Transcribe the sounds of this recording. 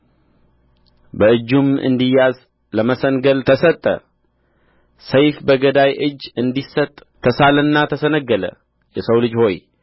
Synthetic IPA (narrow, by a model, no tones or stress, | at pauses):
bəɨd͡ʒːumɨ̰nd̪ijaz | ləməsəŋɡəlt̪ʰəsət̪ʼːə̰ | səjfbəɡəd̪ajʔɨd͡ʒːɨnd̪isət̪ʼːʰəsalənːat̪ʰəsənəɡːələ̰ | jɛsəwlɨd͡ʒho̞j